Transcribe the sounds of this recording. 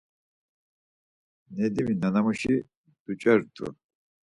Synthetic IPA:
nɛd̪iminanamuʃi | d̪̥ut͡ʃʼɛɾd̪ʰṵ

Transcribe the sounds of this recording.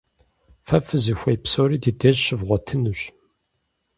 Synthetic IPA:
fɐfɨzɨxʷɐjpsoːɾiːdiːdeʒɕɪvʁʷɔtʰɨnuɕ

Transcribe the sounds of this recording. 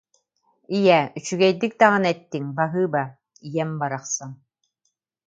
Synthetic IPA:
ijɛyt͡ɕyɡɛjd̪ik̚d̪aʁɯnɛt̪ːiŋbaɦɯːba | ijɛmbaɾaχsaŋ

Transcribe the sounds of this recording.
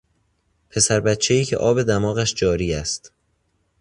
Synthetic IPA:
pʰe̞sæɾbæt̪t͡ʃʰe̞jiːcʰeʔɒːbe̞d̪æmɒːɣæʃd͡ʒɒːɾiːæst̪

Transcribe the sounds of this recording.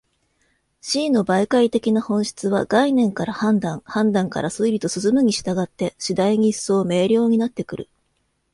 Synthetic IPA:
ɕiːno̞baikait̪e̞kʲinahõ̞ɰ̃ɕi̥t͡sɨβaɡ̥ainẽ̞ŋkaɾahãnd̪ãŋhãnd̪ãŋka̰ɾasɨiɾʲit̪o̞sɨsɨmɯ̟ɲ̟iɕi̥t̪aɡat̪ːe̞ɕid̪aiɲ̟iso̞ːme̞ːɾʲo̞ːɲ̟inat̪ːe̞kɯ̟ɾɯ̟

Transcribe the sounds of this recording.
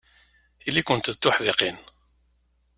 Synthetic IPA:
ilːikʊnt̪ðt̪ːʊħðeqin

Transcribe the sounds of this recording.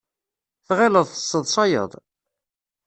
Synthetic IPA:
θʁeləðˤθə̥sˤːəðˤsˤɑjə̰ðˤ

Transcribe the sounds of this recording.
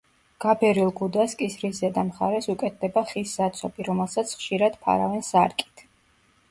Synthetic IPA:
ɡ̥abɛɾilˠɡud̪askʼisɾiszɛd̪amχa̰ɾɛsukʼɛt̪̚ʰd̪ɛbaχiszat̪sʰɔbiɾɔmɛlˠsat̪sʰχʃiɾad̪̥pʰa̰ɾa̰vɛnsaɾkʼi̥t̪ʰ

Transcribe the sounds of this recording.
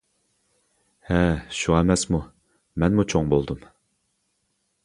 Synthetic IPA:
hɛʃuʁɑɛmɛsmu | mɛnmut͡ʃʰoŋbolˠd̪ɨm

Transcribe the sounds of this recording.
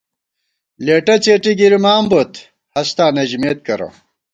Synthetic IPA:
leːʈɐt͡seːʈiɡiɾimaːmbot̪ | hɐst̪aːnɐʑmeːt̪̚kɐɾo̰

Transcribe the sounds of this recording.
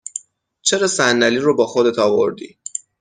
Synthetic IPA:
t͡ʃʰe̞ɾɒːsænːæliːɾobɒːxo̞d̪et̪ʰɒːvo̞̰ɾd̪ḭː

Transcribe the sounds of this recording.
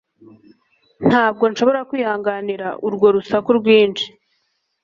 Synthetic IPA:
n̥haːb̚ɡo̞nʃo̞βo̞ɾakwiːhaːŋɡaniɾaʔuɾɡo̞ɾusakuɾɡwiːnt͡ʃi̥

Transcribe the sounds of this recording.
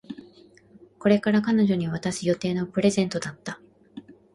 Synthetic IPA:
ko̞ɾe̞kaɾakano̞ʑo̞ɲ̟iβ̞at̪aɕijo̞t̪e̞ːno̞pɯ̟ɾe̞zẽ̞nt̪o̞d̪at̪ːa

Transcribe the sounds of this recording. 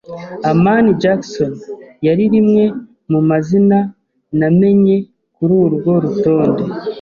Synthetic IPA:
amaːnid͡ʒakso̞njaɾiɾimŋe̞ | mumazina | name̞ɲe̞ | kuɾuːɾuɡo̞ɾuto̞ːndo̞

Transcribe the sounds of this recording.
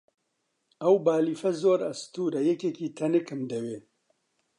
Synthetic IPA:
ɐwbaːliːfɐzoːɾɐst̪uːɾɐjɛkekiːt̪ʰɐnɨkʰɨmd̪ɐweː

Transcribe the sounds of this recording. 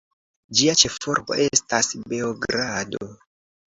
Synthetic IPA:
d͡ʒiat͡ʃe̞fo̞̰ɾbo̞̰ʔe̞stasbe̞oɡɾado

